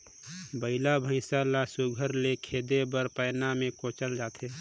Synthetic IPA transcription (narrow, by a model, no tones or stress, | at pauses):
bəɪlabʱə̃ɪsalasuɡʱəɾlekʰeːd̪ebəɾpəːnamẽkõːt͡ʃəld͡ʒaːt̪ʰeː